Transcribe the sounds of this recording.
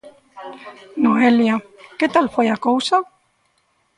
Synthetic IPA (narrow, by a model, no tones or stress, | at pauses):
noeljaket̪alfejakowsa